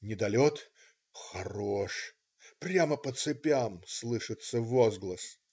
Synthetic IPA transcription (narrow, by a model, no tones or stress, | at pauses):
nʲɪd̪ɐlʲot̪ | xɐɾoʂ | pɾʲaməpət̪sɨpʲamslˠɨʂɨt̪səvozɡlˠəs